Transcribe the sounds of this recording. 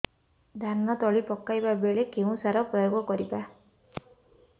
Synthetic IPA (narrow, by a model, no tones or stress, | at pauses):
d̪ʱannɔt̪ɔɭipɔkːajbabeɭekeũsaɾɔpɾɔjoɡɔkɔɾiba